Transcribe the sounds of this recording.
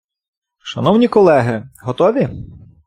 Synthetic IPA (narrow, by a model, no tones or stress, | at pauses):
ʃɐnɔwnʲikɔlˠɛɦɪɦɔt̪ɔʋʲi